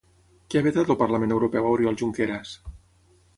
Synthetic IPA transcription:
keaβet̪at̪əlpaɾlamẽnewɾopɛwawɾialˠʒuŋkeɾas

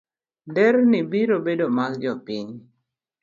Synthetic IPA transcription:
dɛɾnibiɾobedomaɡɡjɔpiɲ

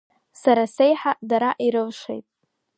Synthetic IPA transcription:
saɾasejħadaɾaʔiɾɨlʂḛjtʼ

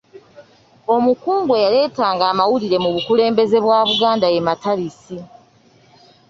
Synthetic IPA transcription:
o̞mukuːŋɡwe̞jale̞ːtaːŋɡaːmawuliɾe̞muβukule̞ːmbe̞ze̞βwaːβuɡaːndajemataɾisi

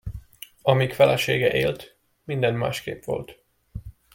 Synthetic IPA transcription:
ɒmikfɛlɛʃeːɡɛʔeːlt̪ | mind̪ɛnma̰ːʃkḛːpʋo̞̰lt̪

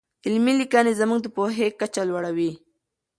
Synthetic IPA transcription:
ɪlmilikɑnezamuŋɡd̪əpoɦekat͡ʃalwaɽawi

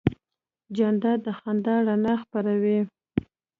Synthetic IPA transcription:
d͡ʒand̪ɑd̪əxand̪ɑɽanaxpaɾawi

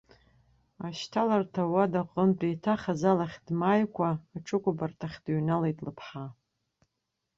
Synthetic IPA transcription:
aʃtʰalartʰawadaqʼəmdʼijtʰaχazalaχʲdmajkʷʰaːʈ͡ʂʰɨkʷʼʊbartʰaχʲdɥnalejtʼlɨpʰħa

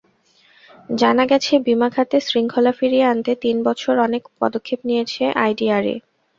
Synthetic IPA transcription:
d͡ʑanaɡɛt͡ɕʰebimakʰat̪esɾiŋkʰolafiɾieant̪et̪inbɔt͡ɕʰoɾɔnekpɔ̰d̪okʰːepnijet͡ɕʰeʔajɖiaɾḛ

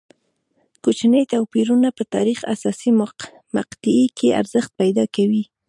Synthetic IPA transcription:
kot͡ʃnəjt̪awpiɾunapət̪ɑ̰ɾixa̰sɑsim | maqt̪ɪekʰea̰ɾzəxt̪̚pajd̪ɑkawi

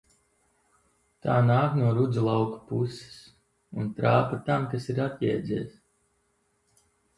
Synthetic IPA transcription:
t̪aːnaːknuɔɾud̪zulˠɑwkpusi̥s | unt̪ɾaːpat̪amkasiɾat̪jɛːd̪zʲiːs

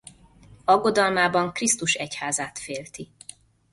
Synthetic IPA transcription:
ɒɡːo̞d̪ɒlmaːbɒŋkrist̪uʃɛchaːzaːt̪feːlt̪i

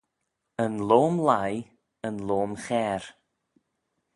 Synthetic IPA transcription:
ənloːmlaj | ənloːmxɛːɾ

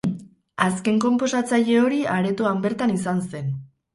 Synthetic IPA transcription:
aske̞ŋko̞mpo̞sat͡saʎe̞o̞ɾiaɾe̞t̪uambe̞ɾt̪anisanse̞n

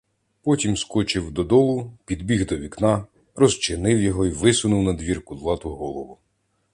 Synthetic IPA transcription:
pɔtʲimskɔt͡ʃɪwd̪ɔd̪ɔlˠʊpʲid̪bʲiɣd̪ɔʋʲiknɑ | rɔst͡ʃɪnɪwjɔɦɔiʋɪsʊnʊwnɐd̪ʲʋʲirkʊzlˠɑt̪ʊɦɔlˠɔʋʊ

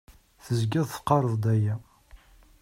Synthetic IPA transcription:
θəzɡæðˤθə̥qːɑɾˤəðˤd̪æjæ

